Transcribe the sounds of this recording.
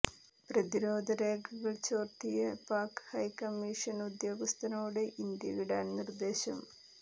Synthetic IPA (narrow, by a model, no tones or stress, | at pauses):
prɐðiɾo̞ːd̪ʱɐɾeːɡʱɐɣɐɭt͡ɕoːrt̪ijɐpaːkhɐjkɐmːiʂɐnud̪jo̞ːɡɐst̪ʰɐnoːɽe̞ʔind̪jɐ̰ʋiɽaːnnird̪e̞ːɕɐ̰m